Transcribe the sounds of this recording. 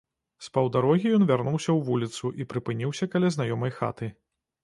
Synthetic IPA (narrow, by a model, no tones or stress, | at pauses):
spɐwd̪aɾɔɣʲijɔnvʲarnuwsʲɐwvulʲit̪suʔipɾɨpɨnʲiwsʲɐkɐlʲaznajɔmɐjxa̰t̪ɨ